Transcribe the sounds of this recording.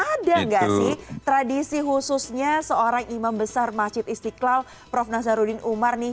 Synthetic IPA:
ʔadaŋɡaʔsɪht̪ɾadisiɦususɲasəoɾaŋimambəsarmat͡ʃɪt̪̚ist̪iklal | pɾɔfnas̬aɾudɪnumarnɪh

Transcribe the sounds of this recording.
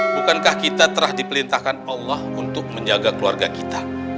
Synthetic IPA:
bukankahkit̪at̪əɾahdipəlint̪ahkanalːahunt̪ʊk̚məɲd͡ʒaɡakəlua̰rɡakit̪ḁ

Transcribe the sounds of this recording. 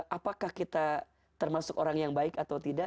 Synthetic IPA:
ʔapakahkit̪a | t̪ərmasʊkoɾaŋjaŋbaɪkat̪awt̪ida

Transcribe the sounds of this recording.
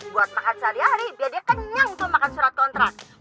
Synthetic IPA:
buat̪̚makat̪̚saɾiaɾibiadiakəɲaŋut̪ʊmakansuɾat̪̚kɔnt̪ɾak̚

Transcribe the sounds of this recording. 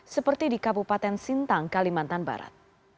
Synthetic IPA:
səpərt̪idikabupat̪ɛnsint̪aŋkalimant̪anba̰ɾa̰t̪̚

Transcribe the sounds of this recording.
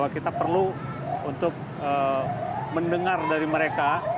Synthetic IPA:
wakit̪apərlu | unt̪ʊk̚ | ə | məndəŋardaɾiməɾeka

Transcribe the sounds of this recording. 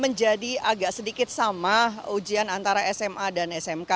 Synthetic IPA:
məɲd͡ʒadiaɡaʔsədikɪt̪̚samaɦud͡ʒianant̪aɾaʔɛsɛmʔadanɛsɛmka

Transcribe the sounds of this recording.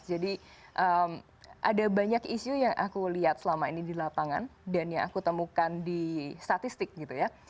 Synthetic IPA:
d͡ʒadiʔəm | ʔa̰dabaɲakiʃujaŋʔa̰kuliɦat̪̚səlamainidilapaŋa̰ndanjaŋa̰kut̪əmukandist̪at̪ist̪ɪk̚ɡit̪uja

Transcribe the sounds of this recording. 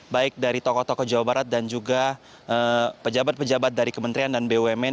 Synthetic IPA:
baɪk̚daɾit̪ɔkɔt̪ɔkɔd͡ʒawabaɾat̪̚dand͡ʒuɡa | ʔəpəd͡ʒabat̪̚pəd͡ʒabat̪̚daɾikəmənt̪ɾiandanbewɛmɛ

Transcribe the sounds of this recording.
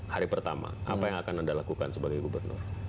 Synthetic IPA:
haɾipərt̪ama̰ʔa̰pajaŋakanandalakukansəbaɡajɡubərnʊ̰r

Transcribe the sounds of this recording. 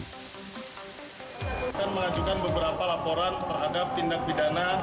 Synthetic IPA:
kanməlad͡ʒukanbəbəɾapalapoɾant̪ərɦadap̚t̪indak̚bidana

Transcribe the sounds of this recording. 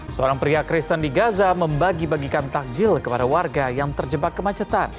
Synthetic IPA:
səoɾaŋpɾiakɾɪst̪əndiɡazaməmbaɡibaɡikant̪ak̚d͡ʒɪlkəpadawarɡajaŋt̪ərd͡ʒəbat̚kːəmat͡ʃət̪an

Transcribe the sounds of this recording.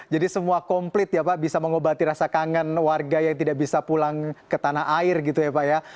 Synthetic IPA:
d͡ʒadisəmuakɔmplɪt̪̚japaʔbisaməŋobat̪iɾasakaŋanwarɡajaŋt̪idaʔbisapulaŋkət̪anaɦʔaɪrɡit̪ujapaʔja

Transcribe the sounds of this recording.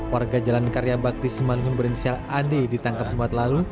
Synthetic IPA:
warɡad͡ʒalankaɾjabak̚t̪isimalumʊnbəɾinsialadedit̪aŋkap̚d͡ʒumat̪lalu

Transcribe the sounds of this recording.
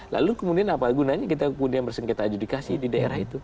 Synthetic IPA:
la̰lukəmudianapaɡunaɲakit̪akəmudianbərsəŋkɛt̪ad͡ʒudikasididaḛɾahit̪u

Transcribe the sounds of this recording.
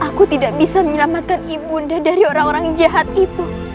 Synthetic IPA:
akut̪idaʔbisaməɲəlamat̪̚kanibundadaɾioɾaŋoɾaŋd͡ʒaɦat̪̚it̪u

